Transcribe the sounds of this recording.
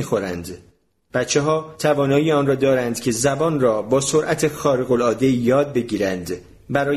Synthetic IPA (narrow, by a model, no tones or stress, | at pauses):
iːxo̞ɾænd̪ | b̥æt̪t͡ʃʰːeɦɒːt̪ʰævɒːnɒːiːɒːnrɒːd̪ɒːɾænd̪̥cʰe̞zæbɒːnrɒːbɒːsoɾʔæt̪ʰe̞xɒːɾeɣo̞lɒːd̪e̞jɒːd̪̚be̞ɟiːɾænd̪ | bæɾɒː